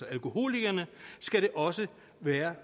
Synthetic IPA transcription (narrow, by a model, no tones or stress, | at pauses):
ɒælko̝ho̝̰ːliɡ̥ɐnəsɡ̥æɾe̝ʔɒ̽sə | ʋæːɐ